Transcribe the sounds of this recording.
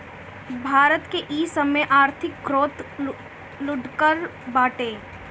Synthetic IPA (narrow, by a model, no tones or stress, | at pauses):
bʱaːɾət̪keʔiːsəmeʔaːɾt̪ʰɪkːɾoːt̪ | lʊɖkəɾbaːʈeː